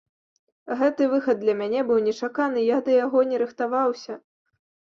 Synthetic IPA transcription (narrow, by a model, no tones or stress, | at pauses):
ɣɛt̪ɨvɨxɐd̪d̪ːlʲɐmʲanʲɛbɨwnʲɛt͡ʂakan̪ɨjad̪ɐjaɣɔnʲɛɾɨxt̪avawsʲɐ